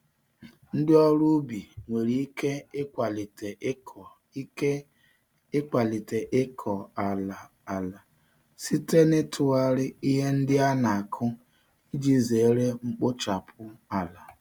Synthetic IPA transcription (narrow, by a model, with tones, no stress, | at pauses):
n̩˦dɪ˦ɔ˦ɾu˦bi˨ŋʷe˨ɾi˨i˦ke˦kʷa˨li˨te˨˦˨ | e˦ | ɪ˦k͡pa˨li˨te˨ʔɪ˦kʰɔ˨a˨la˨ | a˨la˨ | si˦te˦nɪ˦tʰʊ˨a˦ɾɪ˦i˦ɦe˦n̩˦dɪ˦a˦na˨a˨kʰʊ˦ | i˦d͡ʒi˦ze˨˦ɾe˦ŋ͡m̩˦k͡pʊ˦t͡ʃa˨pʰʊ˦a˨la˨